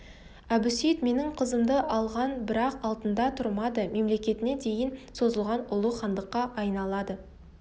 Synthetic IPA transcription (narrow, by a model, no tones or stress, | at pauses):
æbʏsijt̪me̞nɪɴqʰəzəmd̪əʔɑlˠʁɑnbɪɾɑqɑlˠt̪ənd̪ɑt̪ʰʊɾmɑd̪əme̞mle̞kʲe̞t̪ɪne̞d̪e̞jɪnso̞zəlˠʁɑnʊlˠuχɑnd̪əqːɑʔɑjnɑlˠɑd̪ə